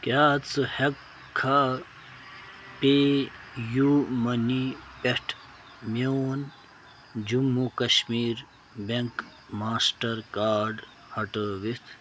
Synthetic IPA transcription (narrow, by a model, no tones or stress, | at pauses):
kjaːt͡sɨhekʰː | a | pe | jumɐnipeʈʰ | mon | d͡ʑumːukɐɕmiːɾ | beŋk | maːsʈɐɾkaːɾɖ | hɐʈəʋit̪ʰ